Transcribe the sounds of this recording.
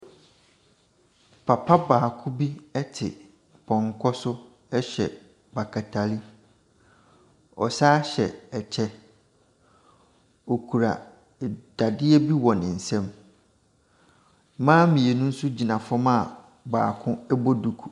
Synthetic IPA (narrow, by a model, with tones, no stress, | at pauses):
pʰa˨pʰa˦baː˨kʰʊ̃˦bi˦ɛ˦tʰɪ̰˨ | pʰɔ̃˨ŋkʰɔ˦sʊ˦ | ɛ˦ɕɛ̰˨ | ba˨kʰa˨tʰa˨li˦ | ɔ̰˨saː˦ɕɛ˨ɛ˨t͡ɕʰɛ˦ | o˨kʰu˨ɾa̰˨ | d̥a˨dɪ˦ɛ˦bi˦wɔ˨nɪ̃˨n̩˨sɛ̃˦m˦ | mãː˦mĩ˨e˨nʊ̃˦n̩˦sʊ˦d͡ʑi˨nã˨fɔ˦ma˦˨ | baː˨kʰʊ̃˦ɛ˦bɔ˦du˨kʰu̥˨